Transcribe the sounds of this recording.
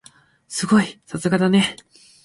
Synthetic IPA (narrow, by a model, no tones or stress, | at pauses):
sɨɡo̞isasɨɡad̪ane̞